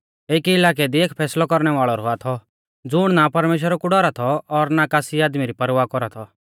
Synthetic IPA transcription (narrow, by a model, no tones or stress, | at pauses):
eːkiɪlaːk̬ɛd̪ieːkpʰɛːslɔkɔɾɽ̃ɛʋaːɭɔɾɦoat̪ʰɔ | d͡zʊɽ̃napɐɾmeːʃ̬wəɾakuɖɔɾat̪ʰɔɔɾnakaːsiaːd̪miɾipɐɾʋaːkɔɾat̪ʰɔ